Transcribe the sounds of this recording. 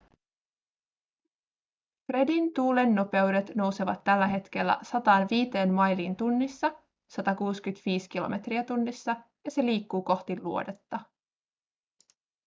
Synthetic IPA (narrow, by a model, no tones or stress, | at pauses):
fre̞dint̪uːle̞nːo̞pe̞ude̞t̪no̞wse̞ʋɑ̰t̪ːælːæɦe̞t̪k̟e̞lːæ̰sɑt̪ɑːnʋiːt̪e̞ːnmɑjliːnt̪unːisːɑ | sɑt̪ɑkuːskyt̪ʋiːsk̟ilo̞̰me̞t̪riæt̪unːisːɑ | jɑse̞liːkːuːko̞ht̪illuo̞de̞t̪ːɑ